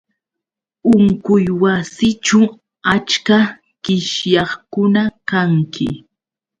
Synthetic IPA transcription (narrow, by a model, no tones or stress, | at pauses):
ʊŋkʊjwasɪt͡ʃʊ | at͡ʃka | ɢkɪʃjɑχkʊnakaŋkɪ̰